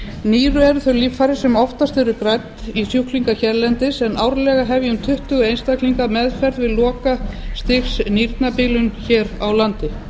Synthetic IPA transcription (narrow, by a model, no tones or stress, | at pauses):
niːɾʏɛɾθœliːffaɾɪsɛmɔft̪ast̪ɛɾʏkɾajt̪ːisjuhkliŋkaçɛɾlɛnt̪ɪsɛnʔaːwɾlɛɣaɦɛvjʏmt̪ʰʏht̪ʏɣʏejnst̪akliŋkamɛðfɛɾðvɪðlɔːkast̪ɪxsniɾt̪napiːlʏnçɛːɾawlant̪ɪ